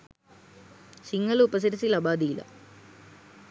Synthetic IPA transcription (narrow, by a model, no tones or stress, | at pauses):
siŋɡɐluupɐs̬iɾisilɐbaːd̪iːlɐ̰